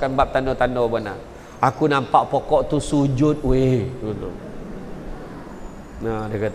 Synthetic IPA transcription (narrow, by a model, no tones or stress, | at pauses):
kanbap̚t̪andɔt̪andɔbana̰ | akunampaʔpokɔʔt̪usud͡ʒʊt̪̚weunt̪u | nadəkat̪